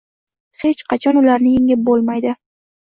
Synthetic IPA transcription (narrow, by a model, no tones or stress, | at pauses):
he̞t͡ʃqʰɑt͡ʃʰɒnʊlaɾnɪjɪŋɪp̚bolˠmajd̪ɪ